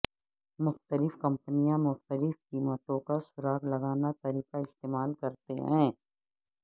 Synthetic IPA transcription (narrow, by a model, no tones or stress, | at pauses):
mʊxt̪əlɪfkɐ̃mpənijãmʊxt̪əlɪfkiːmət̪õkasʊɾaːɡlɐɡaːnat̪ɐɾiːqaɪst̪eːmaːlkɐɾt̪eɦɛ̃ː